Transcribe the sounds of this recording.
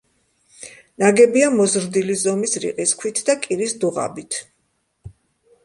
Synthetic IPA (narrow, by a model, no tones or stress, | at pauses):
naɡɛbiamɔzɾd̪ilizɔmisɾḭqʼiskʰwit̪ʰd̪akʼiɾisd̪uʁa̰bit̪ʰ